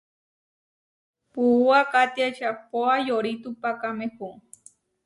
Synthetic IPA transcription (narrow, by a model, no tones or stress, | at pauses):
puuakat̪iaʃapoajoɾit̪upakamẽhu